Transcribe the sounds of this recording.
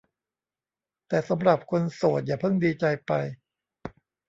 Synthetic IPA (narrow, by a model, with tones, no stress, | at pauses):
t̪ɛː˨˩sa˩˦mɾa˨˩p̚kʰo˧nsoː˨˩t̪̚jaː˨˩pʰɤ˥˩ŋdiː˧t͡ɕa˧jpa˧j